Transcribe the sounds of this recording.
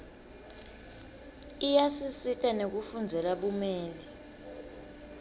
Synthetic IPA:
ijasisitʼanek̬ufund͡zʱɛlaɓumɛːli

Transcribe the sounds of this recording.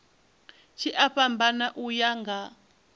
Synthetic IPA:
t͡ʃʰiʔaɸambanaʔujaŋɡa

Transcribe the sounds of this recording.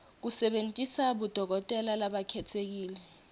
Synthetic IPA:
k̬usɛɓentʼisaɓud̥ʱɔk̬ɔtʼɛlalaɓakʰɛtʰek̬iːlɛ

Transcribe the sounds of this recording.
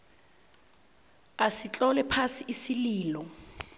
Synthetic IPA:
asit͡ɬʼɔlɛpʰasiʔisiliːlɔ

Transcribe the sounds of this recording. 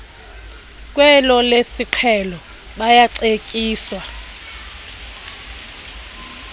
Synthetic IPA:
k̬ʼwɛlɔlesiǃʰɛlɔ | ɓajaǀekʼiːswa

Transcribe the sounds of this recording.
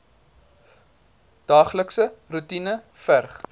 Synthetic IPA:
d̥ɑːχləksərutinə | færχ

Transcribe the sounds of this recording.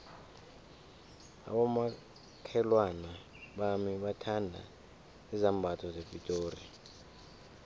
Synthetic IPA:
a̰ɓɔma | kʰɛlwana | ɓamiɓatʰandʱa̰ | ɛzambʱatʰɔzevitʼoːri

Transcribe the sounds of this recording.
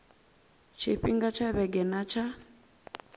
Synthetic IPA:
t͡ʃʰiɸiŋɡat͡ʃʰaβɛɡɛnat͡ʃʰa

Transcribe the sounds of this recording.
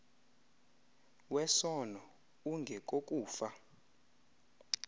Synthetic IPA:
wɛsɔnɔ | uŋɡʱɛk̬ʼok̬ʼuːfa

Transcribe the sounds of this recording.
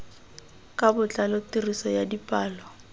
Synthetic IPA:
kʼabʊt͡ɬʼalɔtirisɔjadipʼaːlɔ

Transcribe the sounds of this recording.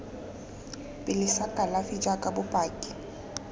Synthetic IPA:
bʼɪlɪsakʼalafɪd͡ʒakʼabʊpʼaːkʼɪ̥

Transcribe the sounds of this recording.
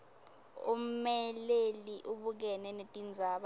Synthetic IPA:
ṵmmɛleliʔuɓuk̬ɛnɛnetʼind͡zʱaːɓa

